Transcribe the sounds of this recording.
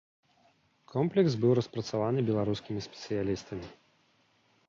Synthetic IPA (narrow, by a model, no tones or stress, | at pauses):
kʰɔmplʲɛksbɨwɾɐspɾɐt̪savanɨbʲɛlˠaɾuskʲimʲisʲpʲɛ̥t̪sɨjalʲist̪ɐmʲi